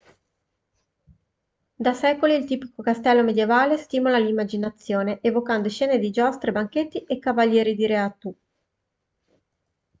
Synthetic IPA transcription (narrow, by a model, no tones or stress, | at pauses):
d̪asɛːkoliːlt̪iːpikokast̪ɛlːomed̪jevaːlest̪iːmolalimːad͡ʒinat̪sːjoːneʔevokand̪oeʃɛːned̪id͡ʒɔst̪ɾebaŋket̪ːiʔekːavalːjɛːɾid̪iɾeat̪u